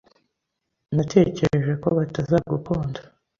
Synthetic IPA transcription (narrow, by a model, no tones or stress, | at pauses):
natʰe̞ːce̞ɾeʒe̞ko̞βatazaɡupʰoːndo